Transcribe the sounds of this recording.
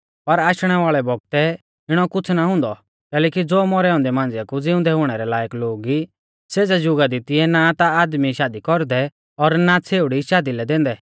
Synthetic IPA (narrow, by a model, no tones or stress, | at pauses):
pɐɾaːʃɽ̃ɛʋaːɭɛbɔɡ̚t̪ɛ | ɪɽ̃ɔkʊt͡sʰnaɦʊ̃ːnd̪ɔ | kɛːlɛːkid͡zoːmɔɾɛɔ̃ːnd̪ɛmãːnd͡zɛkud͡zɪʊ̃nd̪ɛɦʊɽ̃ɛɾɛlaːjəkloːɡi | seːd͡zɛd͡ʒʊɡad̪ɪt̪iɛnat̪aaːd̪miʃaːd̪ikɔɾd̪ɛ | ɔɾnat͡sʰeːʊɽiʃaːd̪ilɛd̪ɛ̃ːnd̪ɛ